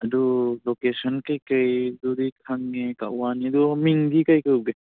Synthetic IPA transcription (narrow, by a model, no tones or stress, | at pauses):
ɐd̪ulokesɔnkajkajduɾikʰaŋːeka̰ʔwaniɐd̪umiŋd̪ikajkəwbe